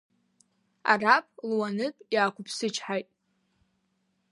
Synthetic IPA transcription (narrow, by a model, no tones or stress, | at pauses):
a̰rapʼlwanɨpʼjaːkʷʊpʰsɨt͡ʃʰħajtʼ